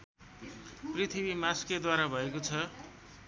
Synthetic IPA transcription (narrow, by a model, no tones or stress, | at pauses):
prit̪ʰibimasked̪waɾabʱʌekot͡sʰʌ